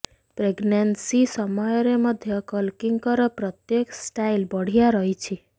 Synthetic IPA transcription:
pɾeɡnensisɔmɔjɔɾemʌd̪ʱjʌkɔlkiŋɡkɔɾɔpɾɔt̪jeksʈajlbɔɽ̤ijaɾɔɦit͡ʃʰi

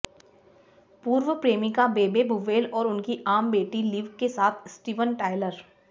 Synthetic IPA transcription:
puːɾʋəpɾeːmikabeːbebuʋeːlɔːɾʊnkiʔaːmbeːʈiliʋkesaːt̪ʰsʈiːʋənʈaːɪləɾ

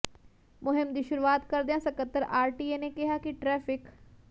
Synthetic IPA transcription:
mʊɦɪmd̪iːʃʊɾuʋaːt̪kəɾd̪eãːsəkət̪ːəɾaːɾʈiːenekɪɦaːkiʈɾɛːpɪk

